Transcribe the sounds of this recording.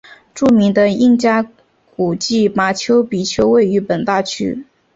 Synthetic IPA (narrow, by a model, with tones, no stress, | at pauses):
ʈ͡ʂu˥˩mi˧˥ŋd̪ə˧i˥˧ŋt͡ɕja˥ | ku˨˩t͡ɕi˥˩ma˧˥t͡ɕʰjo˧˥ʊpi˨˩t͡ɕʰjo˧˥ʊwe˥˩ɪy˧˥pə˨˩nt̪a˥˩t͡ɕʰy̰˥